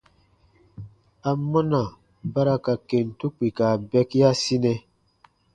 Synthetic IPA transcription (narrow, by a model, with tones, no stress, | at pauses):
a˨mɔ˦na˨ | ba˦ɾa˦ka˨ke˨ntu˦k͡pi˨ka˨bɛ˦ki˦ja˦si˦nɛ˦